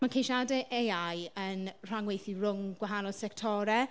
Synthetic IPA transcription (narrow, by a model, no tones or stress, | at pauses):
mankʰejʃadɛʔejajənr̥aŋwejθirʊŋɡwaɦanɔ̥sɛktʰɔɾɛ